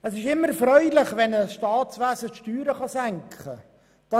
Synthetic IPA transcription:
ɛsɪʃɪmːəɾfɾœʏlɪχʋɛnəsʃtɑːtt͡sʋæːsətʃtyːɾəχɑsæŋkχə | d̥ɑ

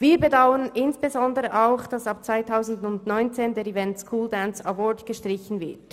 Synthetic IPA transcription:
viːɾbədaʊənɪnsb̥ezɔndəʁəʔaʊxd̥ɑsɑp̚t͡sv̥aɪtʰaʊzn̩dʊndnɔʏnt͡seːndeːɾivɛntskʰuːldansawɔɹdɡ̥əʃtʁ̥ɪçn̩vɪ̰ɐt

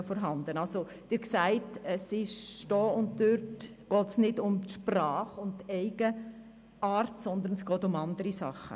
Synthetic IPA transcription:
fɔːɾɦɑndənɑlso | d̥ɪɾksæɪtəsɪʃd̥ɔːʊnt̚døɾt | ɡ̥ɔːtsnɪdʊmtʃprɑːχʊntːɛɪɡ̥ə | ʔaːɾtsɔnd̪əɾnɛsɡ̥ɔːtʊmɑndəɾisɑ̰χːə̰

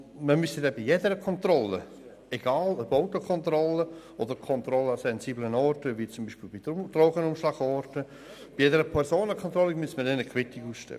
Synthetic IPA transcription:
məmystədɛbijedəɾəkʰɔnt̪rɔlə | ɛɡ̥aːləboʊtokʰɔnt̪rɔlə | ɔdəɾkʰɔnt̪ɾɔləɑsɛnsiːblənɔɾtəvit͡sʊmbiːʃpiːlbid̥roːɡənʊmʃlɑːɡ̥ɔɾtə | b̥ijedəɾəpʰɛɾsoːnəkʰɔnt̪rɔliɡmystmədɛnəkʰwɪtɪɡuːsʃtɛ̰ə

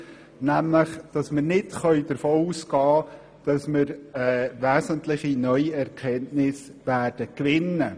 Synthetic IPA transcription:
næmləχd̥ɑsmɪɾnɪtχœɥdəɾfoːuːsɡɑː | d̥ɑsmɪɾɛːʋæːsənt̪lɪχinœʏiɛɾkʰɛntnɪsʋæːd̥əkʋɪnːə

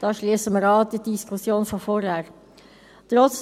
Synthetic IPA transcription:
d̥ɑːʃliːsəmʁaːd̥iːdɪskʰʊsjoːnfofoʁjaːʁ | t̪ʁɔt͡s

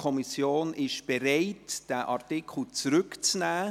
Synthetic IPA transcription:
kʰɔmisjoːnʔɪʃb̥eɾaɪtd̥æʔɑɾtɪkʰl̩t͡sɾʏkt͡snæː

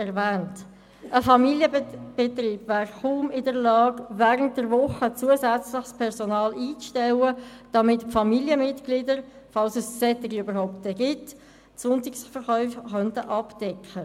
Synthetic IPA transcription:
ɛʁvɛːnt | əfɑmiljəb̥ɛtriːb̥væːrχuːmɪdəɾlɑːɡvɛːʁənt̚d̥əɾvʊχət͡suəsæt͡slɪχspʰɛʁsɔnɑːliːt͡sʃtɛwəd̥ɑmɪtfɑmiljəmɪtɡ̥lidəɾ | fɑlsəssɛt̪ɪɡiøbəɾhaʊp̚tɛɡɪt | sʊntɪksfəɾχœʏfχœntəʔɑpd̥ɛkχə

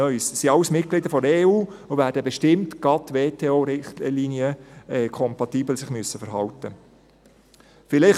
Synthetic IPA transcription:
œssiɑwəsmɪtklɪd̪əɾfɔdeːuːovæːɾdəbɛʃtɪmtɡ̥ɑt̪ːʋeːtʰeːoːɾɪχlinjəɛkʰɔmpɑt̪iːbl̩sɪχmyəsːəfəɾɦɑlt̪ə | fɪlɪχ

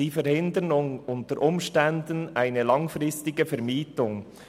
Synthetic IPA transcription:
ifɛɾhɪndənʊŋʊntəɾʔʊmʃtɛndənaɪnəlɑŋfɾɪstɪɡəfɛɾmiːtʊŋ

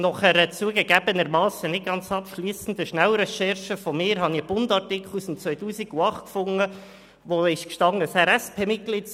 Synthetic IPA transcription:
nɔχɛɾət͡suəɡəɡæb̥ənəɾmɑːsənɪt̚ɡ̥ɑnt͡sɑpʃliːsən̩d̪əʃnæwɾɛʃɛɾʃəfɔmɪːɾɦɑnib̥ʊndɑrtɪkχlˠusɪmt͡sʋœʏtuːsiɡ̥uɑχtkfʊŋə | ʋoɪʃkʃtɑŋəsɛɾɛspʰeːmɪt̚ɡ̥lit

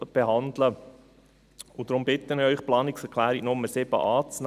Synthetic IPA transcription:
b̥ehɑnd̪lə | ʊd̥ɾʊmb̥ɪt̪ːənœʏχplɑːnɪksɛɾkʰlæːɾiɡnʊmːəsɪbə̰ʔɑːt͡sn

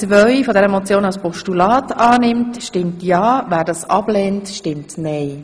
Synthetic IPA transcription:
t͡sʋœɥfɔdɛɾəemot͡sjoːnɑlspɔʃtulɑːtɑːnɪmtʃtɪmtjɑːvæːɾdɑːsɑ̰b̥lɛːntʃtɪmtnɛɪ

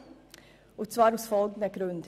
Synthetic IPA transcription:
ot̪sʋɑːɾhʊsfɑlɡnəɡɾʉnt̪ʰ

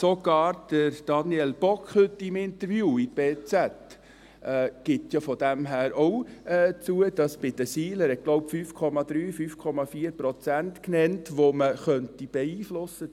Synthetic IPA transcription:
soɡ̥ɑːɾd̥əɾd̥ɑnjɛlb̥ɔkχhʏtːimɪnt̪əɾvjuːit̚b̥eːt͡sæt | ɛːɡ̥ɪt̪jɑfɔd̥æmɦæːɾɔʊɛːt͡suəd̥ɑsb̥ɪd̥̪əsiːləɾɛt̚ɡ̥lɔʊpfyːfkʰɔmɑd̪̥ɾyːfyːfkʰɔmɑfiːəɾpɾɔt͡sæntknɛntʋoməχœntib̥ɛiːflʊsə

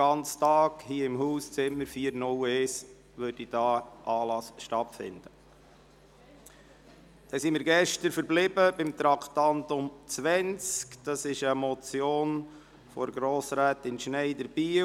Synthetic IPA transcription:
ɑnt͡stɑːɡhiːəɪmhuːst͡sɪməɾfiːəɾnʊleːs | ʋødid̥ɑːʔɑːlɑsʃtɑtfɪ̰nd̥ə | d̥ɛsimɪːɾɡɛʃtəɾfəɾblɪbəbɪmt̪ɾɑkʰt̪ɑntʊmt͡sʋɛnt͡skd̥ɑsɪʃəmɔt͡sjoːn | fɔɾɡɾoːsɾæːtɪnʃnɛɪdəɾb̥iː

